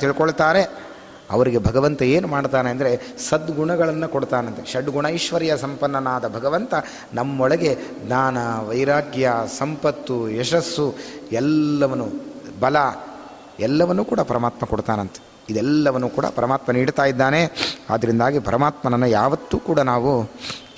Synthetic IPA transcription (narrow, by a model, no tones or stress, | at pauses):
t̪iɭikoɭt̪aːɾe̞ | ɐ̰ʋɐɾiɡe̞bʱɐɡɐʋɐnt̪ɐeːnumaːɽt̪aːneɐnd̪ɐɾe̞sɐd̪ɡuɳɐɡɐɭɐnːɐkoɽt̪aːnɐnt̪eʃɐɖɡuɳɐiʃʋɐɾijɐsɐmpɐnːɐnaːd̪ɐbʱɐɡɐʋɐnt̪ɐ | nɐmːɐɔɭɐɡe̞d̪naːnɐʋɐjɾaːɡjasɐmpɐt̪ːuɛʃɐsːuɛlːɐʋɐnubɐlɐ | ɛlːɐʋɐnːuːkuːɽɐpɐɾɐmaːt̪mɐkoɽt̪aːnɐnt̪e̥ | id̪ɛlːɐʋɐnːuːkuːɽɐ̰pɐɾɐmaːt̪mɐniːɽt̪aːjid̪ːaːnea̰ːd̪ːɐɾind̪aːɡipɐɾɐmaːt̪mɐnɐnːɐjaːʋɐt̪ːuːkuːɽɐnaːʋu